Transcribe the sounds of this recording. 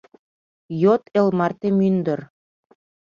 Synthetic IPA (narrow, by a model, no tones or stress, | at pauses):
jot̪elmɑrt̪emynd̪ə̆r